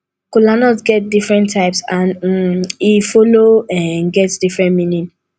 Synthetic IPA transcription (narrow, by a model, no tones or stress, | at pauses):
kulanɔsɡɛt̚difɹɛ̃ntʰːaɪpsãn̩ | ifɔloɛ̃nɡɛtsd̥ifɹɛ̃nmĩnĩn